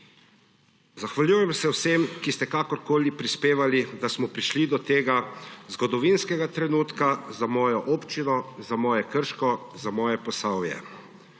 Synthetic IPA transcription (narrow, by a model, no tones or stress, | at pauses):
zaxʋaljuːjɛmsɛwsemkist̪ɛkaːkɔɾkoːlipɾispeːʋalid̪asmɔpɾiʃlid̪ɔt̪eːɡazɡɔd̪ɔʋinskɛɡat̪ɾɛnuːt̪kazamɔːjɔʔoːpt͡ʃinɔzamɔːjɛkəɾʃkɔzamɔːjɛpɔsaːwjɛ̰